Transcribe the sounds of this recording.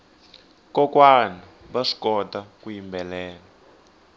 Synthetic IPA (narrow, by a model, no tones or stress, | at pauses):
kɔkwana | βaʂi̥kɔtakujimbɛlɛːla